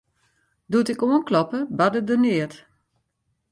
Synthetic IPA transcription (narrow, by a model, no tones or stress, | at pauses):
dutɪkuənklɔpəbadədənɪət